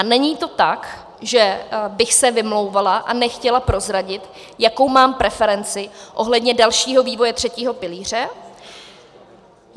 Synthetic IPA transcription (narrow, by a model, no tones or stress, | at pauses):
anɛɲiːt̪o̞t̪ak | ʒɛbɪxsɛvɪmlo̞wvalaʔanɛxcɛlapɾo̞zɾaɟɪt̪ | jako̞wmaːmpɾɛfɛɾɛnt͡sɪʔo̞ɦlɛdɲɛdalʃiːɦo̞viːvo̞jɛt̪r̝̥ɛciːɦo̞pɪliːr̝ɛ